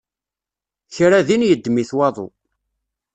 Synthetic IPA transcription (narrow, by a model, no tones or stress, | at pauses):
çɾaðinjəd̪ːmiθwɑðˤo̰